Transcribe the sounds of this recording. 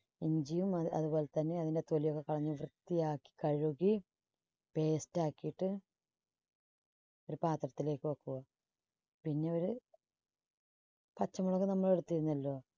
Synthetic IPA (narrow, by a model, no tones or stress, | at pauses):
iɲd͡ʑijumɐɐ̰ðubo̞ːle̞t̪ɐnːe̞ɐðinde̞t̪olijokːe̞kɐɭɐɲːuʋrɨt̪ːijaːkːi̥kɐɻuɣi | pe̞ːstaːkːijiʈːɨ | o̞ɾupaːt̪rɐt̪ːile̞ːkːɨʋɐkːuɣɐ | pinːe̞o̞ɾu | pɐt͡ɕːɐmuɭɐɣenɐmːɐɭeɽut̪ːiɾunːɐlːo̞ː